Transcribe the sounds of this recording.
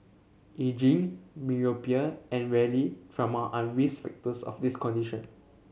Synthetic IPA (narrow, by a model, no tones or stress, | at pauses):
ʔed͡ʒĩŋmiopiəɛ̃nwɛlitʰɹamaʔaɹisfɛ̰k̚təsɔ̰fdiskɔ̃ndiʃə̃n